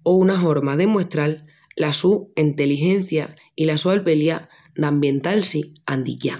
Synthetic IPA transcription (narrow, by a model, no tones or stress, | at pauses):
ounaɦo̞ɾmaðe̞mwe̞st̪ɾal | lasuint̪e̞liɦe̞n̟θja | ilasualpe̞lja | d̪ambje̞nt̪alsiand̪ikja